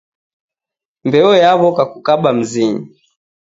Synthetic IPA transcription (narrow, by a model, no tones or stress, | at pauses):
mbɛɔjaβɔkakukaɓam̩ziɲi